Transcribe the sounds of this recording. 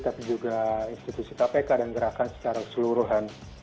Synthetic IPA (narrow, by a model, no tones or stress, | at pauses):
t̪apid͡ʒuɡainst̪it̪usit̪apakadaŋɡəɾakansə̥t͡ʃaɾakə̥səluɾuɦan